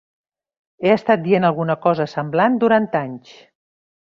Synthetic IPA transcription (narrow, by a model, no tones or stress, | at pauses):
eəst̪at̪̚d̪ienəlˠɣunəkɔzəsəmbland̪uɾant̪aɲt͡ʃ